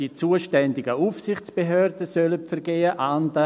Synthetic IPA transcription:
it͡suːəʃtɛndɪɡəufsɪχt͡sb̥eɦøːɾdəsœlətfɛrɡeːəʔandə

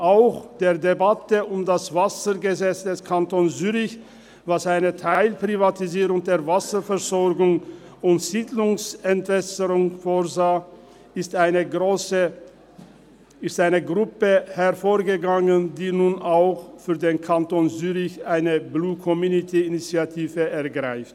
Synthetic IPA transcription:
ʔaʊxd̥eːɐdebatəʔʊmdasv̥asəɡəzɛt͡sd̥ɛskʰantoːnsyːʁɪç | vasaɪnətʰaɪlpʁ̥ivatiziːʁʊŋdeːɐvasəfɛʁzɔʁɡʊŋ | ʊntz̥iːdlʊŋsɛntv̥ɛsəʁʊŋfoːzaː | ɪstaɪnəɡoːsə | ɪstʔaɪnəɡʁʊpəhɛʁfoːɐɡəɡaŋəndiːnuːnʔaʊxfyːɐdeːnkʰantoːnzyːʁɪçʔaɪnəbluːkʰɔmjuːnitʰiɪnit͡sjatʰiːvəɛɐɡʁaɪft

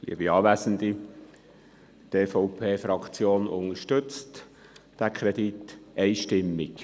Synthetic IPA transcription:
lḭəbiɑːʋæzənd̪i | teːfɔʊpʰeːfɾɑkt͡sjoːnʊŋəʃtʏt͡st | d̥ækʰɾɛditɛɪʃtɪmːɪk

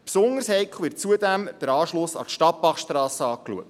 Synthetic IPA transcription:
psoŋəɾshɛɪkʰl̩ˠʋɪrt̚t͡suədæmd̥əɾɑːʃlʊsɑ̰tʃtɑpbɑχʃtɾɑːsəɑːkluək̚t

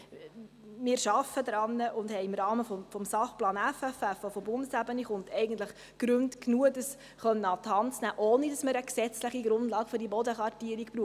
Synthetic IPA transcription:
mɪːɾʃɑfədɾɑnːəʔʊnd̥hɛɪɪmɾɑːməfɔfɔmsɑχplɑːnæfæfæfʋofɔbʊndəsæbəniχʊntɛɪɡən̩tləχ | ɡ̥ɾʏntknuəd̥əs | χœnːəɑt̪hɑntt͡snæːʔoːnidɑsməɾəksɛt͡sləχiɡɾʊndlɑːɡ̥fʏɾdibɔdəχʋɑrtiəɾikpɾuː

